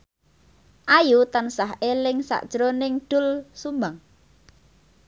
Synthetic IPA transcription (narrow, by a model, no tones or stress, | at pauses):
ʔajut̪ansaɦʔelɪŋsa̰ʔd̥ʒ̥ɾonɪŋɖ̪̥ʊ̤lsumbaŋ